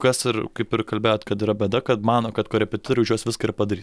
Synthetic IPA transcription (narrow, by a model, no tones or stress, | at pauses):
kɐsɪɾkɐɪpɪrkɐlʲbʲeːjoːt̪kɐt̪iːɾɐbʲɛd̪ɐkɐt̪mɑːnoːkɐt̪koːɾʲɛpʲɛt̪ʲɪt̪oɾʲɛʊʒʲuɔsʋʲɪskɐɪɾpɐd̪ɐɾʲiːs